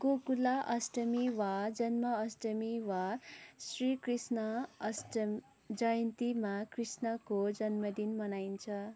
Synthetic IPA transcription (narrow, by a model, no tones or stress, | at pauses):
ɡokulaʔʌsʈʌmiwad͡zʌnmʌʌsʈʌmiwasrikrisnʌsʈ | d͡zʌjʌnt̪imakrisnʌkod͡zʌnmʌd̪inmʌnaint͡sʰʌ